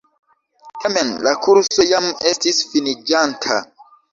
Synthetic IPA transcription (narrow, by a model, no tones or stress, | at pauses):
tamenlakuɾso̞jame̞stisfinid͡ʒantʰa̰